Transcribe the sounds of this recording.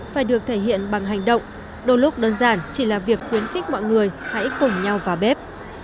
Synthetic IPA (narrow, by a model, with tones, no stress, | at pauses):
faː˧˩jɗɨ˨˩ək̚t̪ʰe˧˩ɦḭ˧˨ənɓa˨˩ŋɦa˨˩jŋ̟ɗə̰˧˨wŋ͡m | ɗo˨˧˩jlʊ˦˥k͡p̚ɗəː˧nzaː˧˩nt͡ɕi˧˩laː˨˩vi˨˩ək̚xwi˨˦ənxï˦˥k̚mɔ̰˧˨jŋɨ˨˩əjha̰˧˥jkʊ˨˩ŋ͡mɲa˧wvaː˨˩ɓɛ˦˥p̚